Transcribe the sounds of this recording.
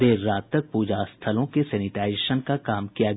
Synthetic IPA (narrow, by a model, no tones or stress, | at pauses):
eːɾːaːt̪ːɐk̚puːd͡ʒast̪ʰəlõkesɛːnɪʈaːɪʃənkakaːmkijaɡ